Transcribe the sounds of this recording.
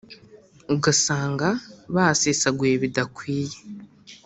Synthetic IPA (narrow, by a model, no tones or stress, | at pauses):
uɡasaːŋɡaβaːsesaɡueβidakwiːje